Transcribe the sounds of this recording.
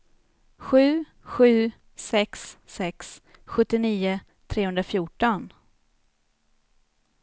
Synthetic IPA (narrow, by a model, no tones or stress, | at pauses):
ɧʉ̟ː | ɧʉ̟ː | sɛksːɛks | ɧɵt̪ːɪniːʊ | t̪ʰɾeːhɵnɾafjuːʈɔn